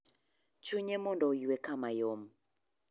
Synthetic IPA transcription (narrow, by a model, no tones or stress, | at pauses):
t͡ʃʰuɲɛmɔndɔiwɛkʰamajɔmu